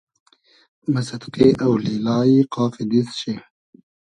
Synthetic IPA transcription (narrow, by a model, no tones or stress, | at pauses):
masad̪qeʔawlilɑːiqɑːfid̪isʃe